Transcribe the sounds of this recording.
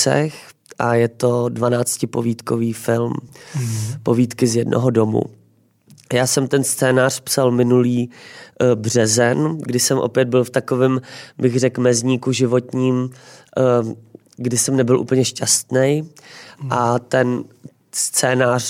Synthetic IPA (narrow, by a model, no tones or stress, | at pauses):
sɛ̰x | ʔajɛt̪o̞dvanaːt͡scɪpoviːt̪koviːfɪlm | poviːt̪kɪzjɛdnʔo̰ɦodo̞mṵ | jaːsɛmt̪ɛnst͡sɛːnaːr̝̥psalmɪnuliː | br̝ɛzɛnɡdɪsɛmʔo̞̰pjɛd̪̚bɪlft̪akovɪːmbɪɣrɛkmɛzɲiːkuʒɪvo̞t̪ɲiːm | ɡdɪsɛmnɛbɪlʔṵːpl̩ɲɛʃcast̪nɛj | ʔat̪ɛn | st͡sɛːnaːr